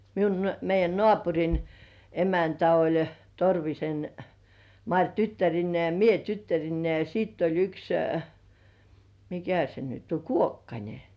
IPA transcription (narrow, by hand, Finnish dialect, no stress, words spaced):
miun meijˑæn nŏɑˑpurʲin emæntæ olʲ torʋisen mɑrʲ tytːærinːĭeˑ jɑ mie tytːærinːei jɑ siːtː olʲ yks mikæ se nyt o ʔkuokːɑnʲe